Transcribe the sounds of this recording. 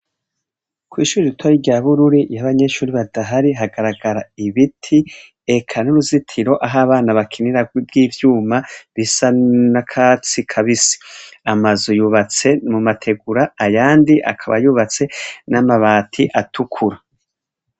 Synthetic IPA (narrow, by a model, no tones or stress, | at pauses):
kwiːʃuːɾiɾitʰoɾiɾɟaβuɾuɾijaβaɲe̞ʃuːɾiβadaɦaɾiɦaɡaɾaɡaɾaiβitʰi | e̞kʰanuɾuzitʰiɾo̞ʔaɦaːβaːnaβakʰiniɾabɡiːvjuːmaβisanakʰat͡sikʰaβisi̥amazujuːβat͡se̞mumatʰe̞ɡuɾaːjaːndiʔa̰kʰaβa̰juːβat͡se̞namaβaːtʰiʔatʰukʰuɾa